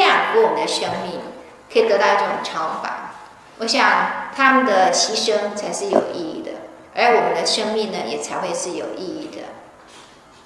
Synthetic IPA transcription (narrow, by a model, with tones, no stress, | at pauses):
ɑ˨˩ŋkə˧˥˦wɔ˨˩mə˦nd̪ə˧ʂɤ˥ŋmi˥˩ŋ | kʰɤ˧˥i˨˩t̪ɤ˧˥t̪ɑ˥˧ʊʈ͡ʂɤ˥˩ʈ͡ʂʊ̰˨˩ŋʈ͡ʂʰɑ˧˥ʊfa̰˨˦n | wʔɔ˨˧˥ɕjɑ˨˩ŋt̪ʰa˥mə˨nd̪ə˨t͡ɕʰi˧˥ʂə˥ŋt͡sʰa˧˥ɪʂɻ̩˥˩jo˨˩ʊʔi˥˧i˥˩d̪ə̰˩ | ə̰˧˥wɔ˨˩mə˦nd̪ə˧ʂɤ˥ŋmi˥˩ŋnə˩jɛ̰˨˩t͡sʰa˧˥ɪxwe˥˧ɪʂɻ̩˥˩jo̰˨˩ʊʔi˥˧i˥˩d̪ə̰˩